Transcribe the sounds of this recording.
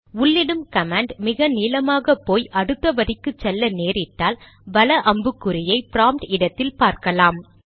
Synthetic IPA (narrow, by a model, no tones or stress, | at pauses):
ʊlːɪɽɯmkɐmaːɳɖmɪɣɐniːlɐmaːɣɐpːoːjʔɐɽɯt̪ːɐʋɐɾɪkːɯt͡ʃːɛlːɐneːɾɪʈːaːl | bɐlɐʔɐmbɯkːɯɾɪjɐɪpɪɾaːmʈɪɽɐt̪ːɪlpaːɾkɐlaːm